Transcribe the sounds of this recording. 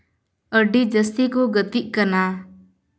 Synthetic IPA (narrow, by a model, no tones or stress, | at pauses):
əɖid͡ʒəst̪ikɔɡət̪iʔ̚kana